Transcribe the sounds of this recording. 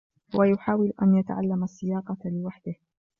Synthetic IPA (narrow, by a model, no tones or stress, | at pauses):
wʔajʊħaːwɪlʔa̰njat̪a̰ʕalːamasːɪjaːqɑlɪwaħd̪ɪh